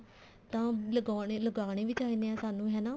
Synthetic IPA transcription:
t̪ãːləɡaːɽeləɡaːɳ̃eːʋɪt͡ʃaːiːnd̪eãːsaːnũːɦɛːnaː

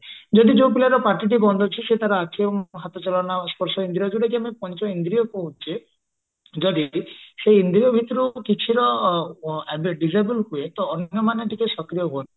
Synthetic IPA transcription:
d͡ʒɔd̪id͡ʒowpilaɾɔpaʈiʈ̬ibɔnd̪ʱɔt͡ʃʰiset̪aɾɔakʰiebɔŋɦat̪ɔt͡ʃɔlɔnaspɔɾsɔind̪ɾiɔd͡ʒuɽak̬iamepɔnt͡ʃɔind̪ɾijɔkoɦut͡ʃʰe | d͡ʒɔɽiseind̪ɾiɔbʱit̪ɔɾukit͡ʃʰiɾɔ | ɛbeɖizajbulɦuet̪ɔːnjɔmaneʈikesɔkɾijɔɦon

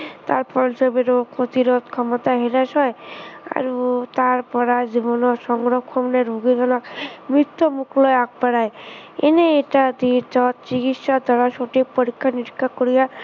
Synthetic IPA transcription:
t̪aɾpɔɾsebeɾokot̪iɾot̪kʰɔmɔt̪aɦeɾaʃɔea̰ɾut̪aɾpɔɾad͡ʒibɔnɔʃɔŋɾɔkʰːɔmneɾbʱoɡid̪ʱɔnakmɾit̪ʰːomuklɔeak̚paɾaeeneeʈad̪iɾt̪ɔt̪t͡ʃiɡit̪ʃad̪ʱaɾaʃoʈipoɾikʰːaniɾikʰːakoɾija

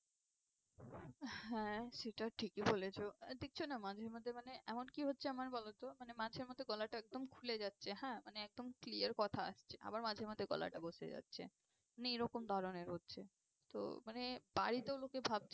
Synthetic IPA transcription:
ɦɛ̃ʃeʈaʈʰikibolet͡ɕʰod̪ek̚t͡ɕʰonamad͡ʑʱeɾmod̪ʱːemaneʔɛmonkiɦotːɕʰeamaɾbɔlot̪omanemad͡ʑʱeɾmod̪ʱːeɡɔlaʈaɛk̚d̪omkʰuled͡ʑatːɕʰeɦɛ̃maneɛk̚d̪omkliaɾkɔt̪ʰaa̰ʃt͡ɕʰe̥ʔa̰baɾmad͡ʑʱeɾmod̪ʱeɡɔ̰la̰ʈaboʃḛd͡ʑa̰tːɕʰḛ | maneejɾɔkomd̪ʱaɾoneɾɦotːɕʰe | t̪o̰manebaɾit̪eolokebʱab̚t͡ɕʰ

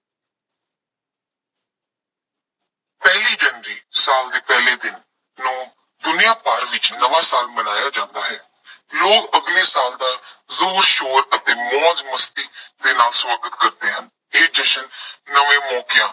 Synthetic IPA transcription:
pɛːliːd͡ʒənɾiːsaːld̪eːpɛːleːd̪ɪnː | ũː | d̪ʊnɪjãːpaːɾʋɪt͡ʃnəʋãːsaːlməɽaːjaːd͡ʒãːnd̪aːɦɛː | loːɡəɡneːsaːld̪aːzuːɾʃoːɾət̪eːmɔ̃ːd͡ʒməst̪iːd̪eːnaːlswaːɡət̪kəɾt̪eːɦən | eːd͡ʒəʃənːəʋẽːmɔːkɪjãː

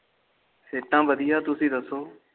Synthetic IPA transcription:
seːʈːãːʋəd̪ijaːt̪ʊsĩːd̪əsoː

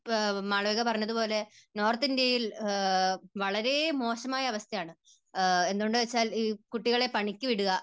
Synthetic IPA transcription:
maːɭɐʋeɣɐpɐrɐɲːɐðupo̞ːle̞no̞ːrt̪indejil | ʋɐɭɐɾe̞mo̞ːɕɐmaːjɐːʋɐst̪ʰɐjaːɳɨ | e̞nd̪oɳɖɨʋet͡ɕːaːliːkuʈːiɣɐɭe̞pɐɳikʲːɨʋiɽuɣɐ

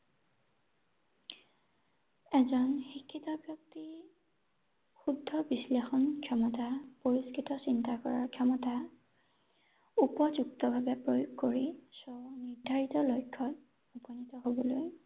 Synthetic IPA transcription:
ɛzɔnxikʰːitɔbjɔk̚ti | xudʱːɔbislexɔnkʰɔmɔtapoɹiskitɔsintakɔɹa̰ɹkʰɛmɔta | upɔzuk̚tɔbʱabɛpɹojoɡkoɹisɔniɹdʱaɹitɔlojkʰːɔt | upɔnitɔɦobɔloj

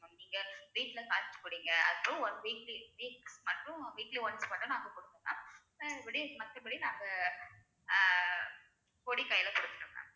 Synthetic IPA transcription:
niːŋɡɐʋiːʈːlɐkaːʈɪt͡ʃːɯ̥kːʊɽiːŋɡɐɐ̰ðɯpːʊ̃ɔɾʋiːkliʋiːksmɐʈːʊ̃ʋiːkliʋɐnsmɐʈːɯ̃naːŋɡɐkɔɽɯt̪ːɯɡã̰ːsɐɐpɪɽimɐt̪ːɐpɪɽinaːŋɡɐ | koːɽikɐjɪlɐkʊɽɯt̪ːɪ̥ʈːɯkːã̰ː

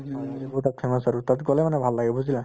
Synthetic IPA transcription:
aibɔtat̚pʰɛmasaɹutatɡɔlɛmanɛbʱalːaɡɛbuzilã

